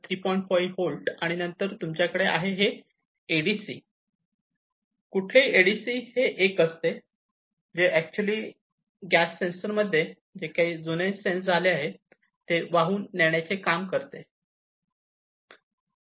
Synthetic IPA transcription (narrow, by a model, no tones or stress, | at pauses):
t̪ʰɾiːpɔjĩɳʈfɔiholɖaɽ̃inənt̪əɾt̪umt͡ɕjakəɽeʔa̰ɦeɦeː | ɽisiː | kuʈʰleieɽisiːheʔekəst̪e | d͡ʑeʔæk̚t͡ɕuəliː | ɡæsːensəɾməd̪ʱːje | d͡ʑekaɦiːd͡zunesẽnsd͡zʱaleaɦe | t̪eʋaɦuːnːeɽ̃jat͡sekamkəɾt̪e